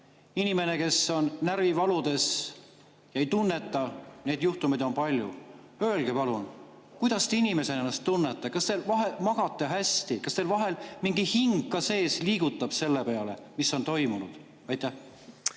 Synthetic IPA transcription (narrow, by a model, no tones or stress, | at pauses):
inime̞ne̞ke̞sːo̞nːærvivɑlud̪̥e̞s | jɑe̞jt̪unːe̞t̪ːˑɑne̞ːd̪̥juht̪umid̪o̞npɑlʲjṵ | ø̞ːlɡ̥epɑlun | kujd̪̥ɑst̪einime̞se̞nenːɑst̪ːunːet̪ˑːɑkɑst̪e̞lvɑɦe̞mɑɡ̥ɑt̪ːˑe̞ɦæsʲt̪ikɑst̪elvɑɦe̞lmiŋɡihiŋɡːˑɑse̞ːsliːɡ̥ut̪ˑːɑb̥se̞lːe̞pe̞ɑle̞̰misːo̞nt̪o̞jmunud̪̥ | ɑjt̪ːˑæh